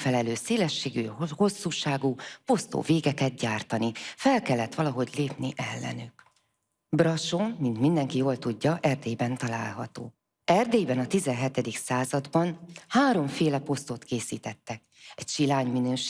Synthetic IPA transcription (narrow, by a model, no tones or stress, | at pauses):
fɛlɛløːseːlɛʃːeːɡyho̞sːuːʃaːɡuːpo̞st̪o̰ːveːɡɛkɛt̪̚ɟaːrt̪ɒnifɛlkɛlːɛt̪ʋɒlɒɦo̞ɟleːpniʔɛlːɛ̰nyk | brɒʃommint̪mind̪ɛŋkijoːlt̪uɟːɒʔɛrd̪eːjbɛnt̪ɒla̰ːlɦɒ̰t̪o̰ː | ɛrd̪eːjbɛnɒt̪izɛnɦɛt̪ɛd̪iksaːzɒd̪bɒnhaːɾo̞ɱfeːlɛpo̞st̪ot̪keːsḭːt̪ɛt̪ːɛk̚ | ɛcʃilaːɲminøːʃ